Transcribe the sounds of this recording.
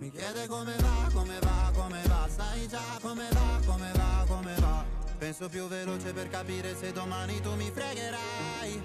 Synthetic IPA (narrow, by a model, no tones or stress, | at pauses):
mikjɛːd̪ekomevakomevakomevast̪ajd͡ʒakomevakomevakomevapɛnsopjuvːeloːt͡ʃeperkapiːɾesed̪ːomaːnit̪umifɾeɡeɾa | vaj